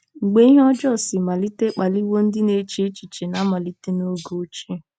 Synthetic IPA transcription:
ŋ͡m̩˨ɡ͡be˦i˦ɦɔ˦d͡ʒɔ˦˨sɪ˨ma˨li˦te˦k͡pa˨li˦wo˦n̩˦dɪ˦ne˨˦t͡ʃi˦e˦t͡ʃi˨t͡ʃe˨na˨˦ma˨li˦te˦no˦ɡo˦t͡ʃe˦˨

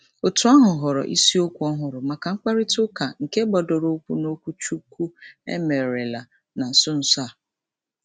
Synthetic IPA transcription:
o˨tu˨˦a˦ɦʊ˨ɦʊ˨ɾɔ̰˨ʔḭ˦si˦o˦kʷu˨˦ɔ˦ɦʊ˨ɾʊ˨ma˨ka˨ŋ͡m̩˦k͡pa˦ɾi˦tʊ˦ka˨ŋ̩˨ke˦ɡ͡bɔ˨dɔ˨ɾo˦kʷu˦no˦kʷu˦t͡ʃu˦ku˦ḛ˦me˨ɾe˨la˨ | na˨sʊ˦n̩˨sa˦˨

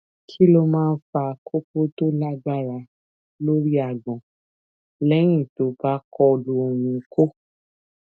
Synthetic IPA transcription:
kʰi˦lo˧mãː˦˧˦fa˧kʰo˦ko˦to˦la˦ɡ͡ba˦˨ɾa˧˦ | lo˦ɾi˦a˨ɡ͡bɔ̃˨ | lɛ˦j̃ĩ˦˨to˨˦ba˨˦kʰɔ˧lo˧o˨wĩ˧˨kʰo˦

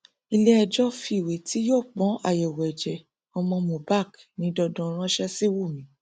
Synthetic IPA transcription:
i˧lɛ˦˧d͡ʒɔ˦fi˧i˨we˨ti˨˦joː˦˨k͡pɔ̃˨˦a̰˦˨jɛ˨wɛ˨d͡ʒɛ˨ | ɔ˧mɔ̃˧mũ˨ba˦˨k | nĩ˨˦dɔ˧dɔ̃˧˦˧ɾ̃ã˦ʃɛ˦si˦wu˦˨mĩ˨˦

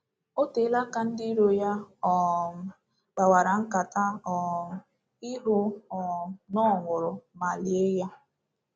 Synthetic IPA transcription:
o˦te˨˦la˦ka˦n̩˦dɪ˦ɾo˦ja˦ɔ˨m˨ | ɡ͡ba˨wa˨ɾa˨ŋ̩˦ka˨ta˦ɔ˨ | i˦ɦʊ˦ɔ˨nɔ˦˨ŋʷʊ˨ɾʊ˨ma˨li˨e˦ja˦

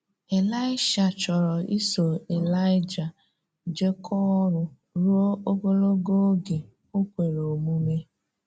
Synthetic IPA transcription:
e˨la˦ɪ˦ʃa˨t͡ʃɔ˨ɾɔ˨i˦so˨e˨la˦ɪ˦d͡ʒa˨ | d͡ʒe˦kʰɔ˦ɾʊ˨ | ɾu˦o˦o˦ɡo˦lo˦ɡo˦ɡe˨ | o˦kʷe˨ɾo˨mu˦me˦

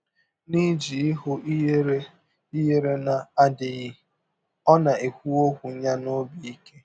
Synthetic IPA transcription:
ni˦d͡ʒi˨ɪ˦ɦʊ˦i˦e˦ɾe˦ | i˦je˦ɾe˦na˨a˦dɪ˨ɣɪ˦ | ɔ˦na˨e˨kʷu˦o˦kʷu˨˦ɲa˦no˦bi˨i˦ke˦

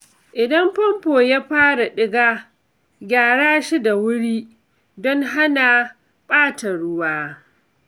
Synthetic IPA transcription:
ʔɪ˨dɐ˦mpɔ˦mpoː˨ja˦ɸaː˦ɽa˨ɗɪ˦ɡaː˦ | ɡʲaː˨ɽaː˦ʃi˦da˨wʊ˦ɽiː˦ | dɔ˦ŋɦa˦na˨ | ɓʼaː˦ta˨ɽʊ˦waː˦

